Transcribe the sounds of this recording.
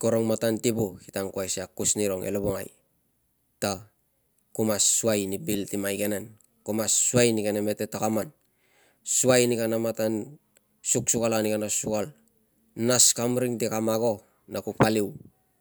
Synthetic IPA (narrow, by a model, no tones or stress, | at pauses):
koɾoŋmatantibuhitaŋkuasiakusniɾo̞ŋḛloboŋa̰j | ta | kumasːuajnibiltimajɡenan | kumasːuajnikaneme̞tetakaman | suajnikanamatan | suksukalanikanasukal | naskamɾiŋtikamaɡo̞ | nakupaliw